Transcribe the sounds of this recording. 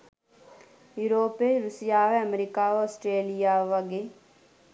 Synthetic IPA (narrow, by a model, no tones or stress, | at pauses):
juɾoːpeɾusijaʋeəmɾikaosʈɾeːlijaʋɐɡe